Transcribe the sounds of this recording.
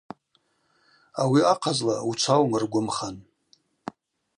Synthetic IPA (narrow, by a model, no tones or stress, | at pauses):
awiaqʰazlaut͡ʃʷʰawmrɡʷʊmχan